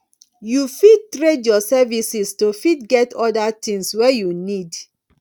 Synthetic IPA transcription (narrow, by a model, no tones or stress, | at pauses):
jufid̚tɹedjɔsɛvisistofidɡɛtɔdatĩŋswɛjunid